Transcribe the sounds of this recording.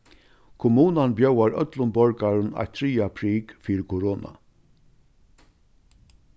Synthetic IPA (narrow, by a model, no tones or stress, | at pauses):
kʰʊmuːnanbjœwaɹœ̰t̪lʊmbɔɹkaɾəna̰jt̪ʰɾiːapʰɾiːkfiːɾkʰʊɾoːna̰